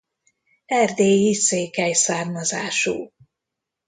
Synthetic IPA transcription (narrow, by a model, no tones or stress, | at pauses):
ɛrd̪eːjiseːkɛjsaːrmɒzaːʃṵː